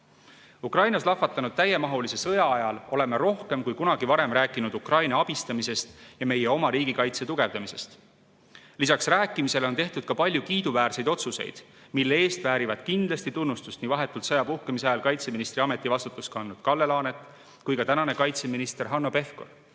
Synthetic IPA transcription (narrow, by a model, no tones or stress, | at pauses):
ukrɑjnɑslɑfːɑt̪ːˑɑnud̪̥̚t̪æje̞mɑɦulise̞sɤ̞jɑɑjɑlo̞le̞meɾo̞hke̞mkujkunɑɡ̥ivɑɾe̞mræːkːˑinud̪ukrɑjnɑɑb̥ist̪ɑmise̞st̪jɑme̞jeo̞mɑɾiːɡikɑjt̪se̞t̪uɡ̥e̞vd̪̥ɑmise̞st̪ | lisɑksræːkːˑimise̞lot̪e̞ht̪ud̪̥kɑpɑlʲjukiːd̪uvæːrse̞jd̪o̞t̪suse̞̰jd̪̥ | milːee̞ːst̪væːɾivɑd̪̥kind̪lɑst̪it̪unːust̪ust̪nivɑɦe̞t̪ːˑult̪sɤjɑpuhkemisɑjɑlkɑjt̪se̞minist̪ɾiɑme̞t̪ːˑivɑst̪ut̪ːˑuskɑɑnːud̪̥kɑlːe̞lɑːne̞t̪ːˑ | kujkɑt̪ænɑne̞kɑjt̪seminist̪e̞ɾɦɑnːo̞pe̞fko̰r